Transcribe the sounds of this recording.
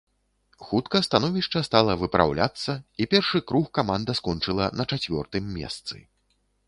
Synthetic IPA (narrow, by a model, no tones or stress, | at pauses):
xut̪kɐst̪anɔvʲiʂt͡ʂɐst̪alˠɐvɨpɾʔa̰wlʲa̰t̪sːɐipʲɛrʂɨkɾuxkamand̪ɐskɔnt͡ʂɨlˠɐnɐt͡ʂat͡sʲvʲɔ̰rt̪ɨmːʲɛ̰st̪sɨ̰